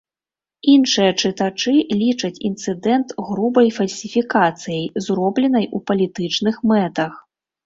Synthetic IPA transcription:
inʂɨjɐt͡ʂɨt̪at͡ʂɨlʲit͡ʂɐt͡sʲḭnt̪sɨd̪ɛnt̪ɣɾubɐjfɐlʲsʲifʲikat̪sɨjɐjzɾɔblʲɛnɐjupɐlʲit̪ɨt͡ʂnɨxmɛt̪ɐx

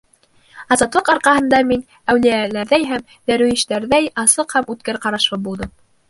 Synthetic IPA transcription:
ɑzɑt̪lˠɤqɑɾqɑhɤ̆nd̪ɑmin | æwlijælæɾðæjɦæm | d̪æɾʉɘ̆ʃt̪æɾðæjɑsɤqhæmʉt̪̚kæɾqɑɾɑʃɤbulˠd̪ɤm

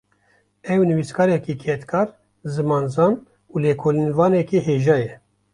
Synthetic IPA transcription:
ɛwnɨviːskʰɑːɾɛkiːkʰɛt̪kʰɑːɾ | zɨmɑːnzɑːn | uːleːkʰoːlinvɑːnɛkiɦeːʒɑːjɛ

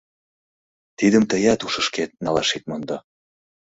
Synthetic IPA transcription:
t̪id̪ə̆mt̪əjɑt̪uʃɤ̆ʃket̪̚nɑlɑ̰ʃit̪̚mond̪ɑ

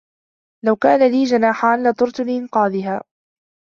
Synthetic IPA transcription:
lawkaːnaliːd͡ʒanaːħaːnlɑt̪ˤʊɾt̪ʊlɪʔɪnqɑːðɪɦaː

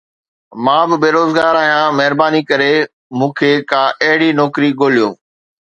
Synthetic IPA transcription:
mãːbɪbeːɾoːzɡaːɾaːɦijãːmɐɦɪɾbaːnikɐɾe | mũːkʰeːkãːʔɐɦɪɽinɔːkɾiɡoːlijõː

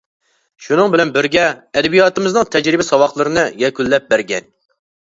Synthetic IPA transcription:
ʃunɨŋbɪlɛnbɪɾɡʲɛɛd̪ɛbijɑːt̪ɨmɨznɨŋt̪ʰɛd͡ʒɾɪbɪsɑwɑχlˠɨɾɨnɨjɛkʲylːɛp̚bæɾɡʲɛn

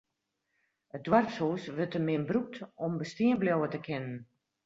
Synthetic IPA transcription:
ət̚dwarpshuːsʋətəmɪnbruk̚tɔmbəstiənbljowətəkʰɪnən

